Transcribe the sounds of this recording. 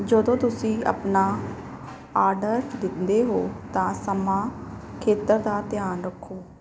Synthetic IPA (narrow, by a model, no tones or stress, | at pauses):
d͡ʒəd̪õːt̪ʊsĩːə̰pnaː | aːɾɖəɾd̪ɪnd̪eːɦoːt̪ãːsəmãːkʰeːt̪əɾd̪aːt̪jaːnɾəkʰːoː